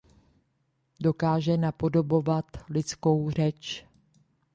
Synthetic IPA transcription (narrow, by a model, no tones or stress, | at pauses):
do̞kaːʒɛnapo̞do̞bo̞vat̪lɪt͡sko̞wr̝ɛt͡ʃ